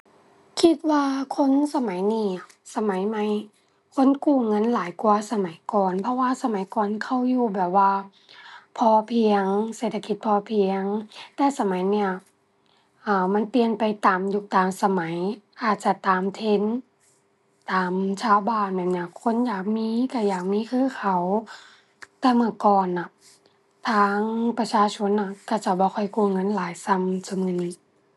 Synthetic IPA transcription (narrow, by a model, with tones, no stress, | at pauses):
kʰi˧t̪̚waː˧kʰo˧˥˨nsa˧ma˨˦jniː˧˩˨ | sa˧ma˨˦jma˧˦j | kʰo˧˥˨nkuː˧˩ŋɤ˧˥˨nlaː˨˦jkuː˧ɐsa˧ma˨˦jkɔː˨npʰɔ˧˥waː˧sa˧ma˨˦jkɔː˨nkʰa˧˩wjuː˧˩bɛː˨˩p̚waː˧ | pʰɔː˧pʰi˧əŋseː˧˩t̪ʰa˧ki˧˦t̪̚pʰɔː˧pʰi˧əŋt̪ɛː˧sa˧ma˨˦jni˧˩ɐ | ʔaː˧˩ma˧˥˨npi˧ənpa˨jt̪aː˨mju˧˩t̪aː˨msa˧ma˨˦jʔaː˨˩t̪̚t͡ɕa˧˩t̪aː˨mt̪ʰe˧˥˨n | t̪aː˨mt͡ɕʰaː˧˥˨wbaː˧˨nmɛ˧˩˨nːi˧˩˨kʰo˧˥˨njaː˨˩k̚miː˧˥˨ka˧˩jaː˨˩k̚miː˧˥˨kʰɯː˧˥˨kʰa˧˩w | t̪ɛː˧mɯ˧˩˨kɔː˧˩nːa˧˩ | t̪ʰaː˧˥ŋpa˧t͡ɕʰaː˧˨t͡ɕʰo˧˥˨nːa˧˩ka˧˩t͡ɕa˧˩wbɔː˧˦kʰɔ˧˩jkuː˧˨ŋɤ˧˥˨nlaː˨˦jsa˧˩˨msa˧mɯ˧˨ni˧˥